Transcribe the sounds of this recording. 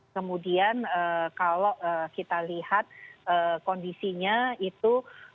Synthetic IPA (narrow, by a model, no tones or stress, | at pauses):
kəmudianəkaloəkit̪alihat̪̚əkondisiɲait̪u